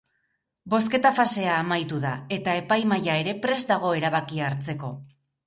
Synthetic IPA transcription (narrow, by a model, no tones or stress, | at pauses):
bo̞ske̞t̪afase̞aːmajt̪uðae̞t̪ae̞pajmajae̞ɾe̞pɾe̞zd̪aɣ̞o̞e̞ɾaβakiaːɾt͡se̞ko̞